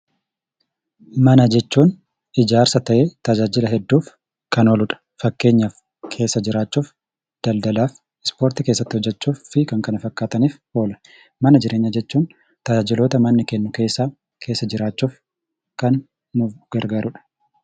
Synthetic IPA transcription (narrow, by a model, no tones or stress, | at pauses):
mɐnɐd͡ʒɛt͡ʃːuːn | ɪd͡ʒaːɾsɐt̪ɐʔeːt̪ɐd͡ʒaːd͡ʒɪlɐɦɛd̪ːuːf | kɐno̞ːlʊᶑɐ̥ | fɐkːe̞ːɲːaf | kʰe̞ːsːɐd͡ʒɪɾaːt͡ʃːuːf | d̪̥ɐld̪ɐlaːf | ɪspo̞ːɾt̪ɪke̞ːsːɐt̪ːɪhɔd͡ʒːɛt͡ʃːuːɪkɐŋkɐnɐfɐkːaːt̪ɐniːf | o̞ːlɐ̥ | mɐnɐd͡ʒɪɾʔe̞ːɲːɐd͡ʒɛt͡ʃːuːn | t̪ɐd͡ʒaːd͡ʒɪloːt̪ɐmɐnːɪkɛnːʊke̞ːsːaː | kʰe̞ːsːɐd͡ʒɪɾaːt͡ʃːuːf | kɐn | mʊɡ̥ɐɾɡaːɾʊᶑɐ̥